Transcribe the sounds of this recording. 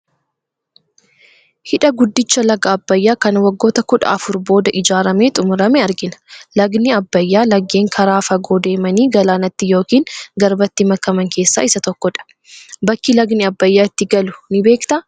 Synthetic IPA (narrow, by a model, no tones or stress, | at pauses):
hɪᶑɐɡʊd̪ːɪt͡ʃːɐlɐɡɐːbːɐjːaːkɐnwɐɡːo̞ːt̪ɐkʊᶑɐ̰ʔɐfʊɾbo̞ːd̪ɐʔɪd͡ʒaːɾɐme̞ːt̪ʼʊmʊɾɐmɛɐɾɡɪnɐ̥lɐɡnɪɐbːɐjːaːlɐɡːeːŋkʰɐɾaːfɐɡoːd̪e̞ːmɐniːɡɐlaːnɐt̪ːɪjo̞ːkiːŋɡɐɾbɐt̪ːɪmɐkːɐmɐŋke̞ːsːa̰ːʔɪsɐt̪ɔkːɔᶑɐ̥ | bɐkːilɐɡnɪɐbːɐjːaːɪt̪ːɪɡɐlʊ̥nɪbe̞ːkt̪ɐ